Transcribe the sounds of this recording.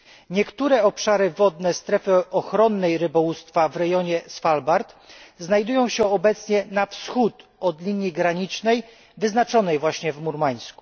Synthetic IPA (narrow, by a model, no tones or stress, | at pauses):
ɲɛkt̪uɾɛɔpʂaɾɘvɔd̪nɛst̪ɾɛfɘʔɔxɾɔnːɛjɾɘbɔwust̪favɾɛjɔɲɛsfalbaɾt̪znajd̪ujɔ̃w̃ɕɛɔbɛt̪sɲɛnafsxut̪ɔd̪lʲiɲjiɡɾaɲit͡ʂnɛj | vɘznat͡ʂɔnɛjvwaɕɲɛvmuɾmaj̃sku̥